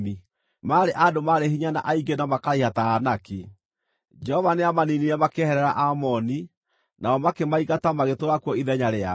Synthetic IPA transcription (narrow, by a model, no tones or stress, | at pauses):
mi | maːɾeʔadomaɾeɦiɲana̰ʔaiɡenamakaɾihataːnaki | d͡ʒɛhɔvaneamaniniɾɛmakehɛɾɛɾa̰ʔamɔni | naɔmakemaiɣatamaɣetoɾakwɔiðɛɲaɾea